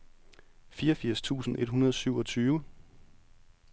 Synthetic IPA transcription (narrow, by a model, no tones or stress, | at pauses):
fiːɐɒfiɐ̰st͡sʰṵːsn̩e̝d̥ɦunɐð̞ˠsyʊɒ̽t͡sʰyːʋə